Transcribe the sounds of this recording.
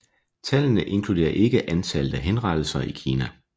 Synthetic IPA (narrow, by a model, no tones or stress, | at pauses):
t͡sʰælnəʔe̝nkʰlud̥e̝̰ːɐʔe̝ɡ̥əʔænt͡sʰæld̥əɦenʁɑ̈d̥l̩sɐikʰiːnæ